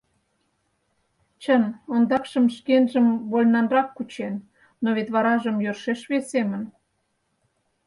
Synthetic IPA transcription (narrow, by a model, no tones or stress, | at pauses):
t͡ɕənond̪ɑkʃəmʃkenʒəmβolʲnɑnrɑkːut͡ɕenː | oβet̪βɑɾɑʒəmjørʃeʃβesemən